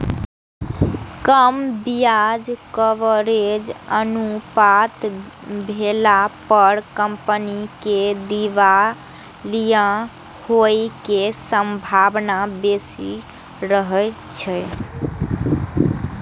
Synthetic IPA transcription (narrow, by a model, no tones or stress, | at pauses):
kəmbijad͡ʒkəʋəɾed͡ʒənupat̪ | bʱelapəɾkəmpəniked̪iʋa | lijə̃ | hojkesəmbʱabnabesi | ɾəɦət͡ʃʰɛ